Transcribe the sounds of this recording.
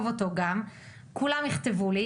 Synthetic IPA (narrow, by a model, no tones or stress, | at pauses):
voto̞ɡam | kulamjiχt̪e̞vuli